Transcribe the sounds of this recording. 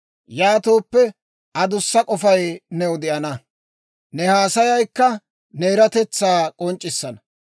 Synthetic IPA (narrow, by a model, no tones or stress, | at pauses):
jaːt̪o̞ːpːɛ | ʔɐd̪ʊsːɐkʼɔfɐjnɛwd̪ɪʔɐnɐ | nɛhaːsɐjɐjkːɐ | neːɾɐt̪ɛt͡sːaːkʼɔnt͡ʃʼːɪsːɐnɐ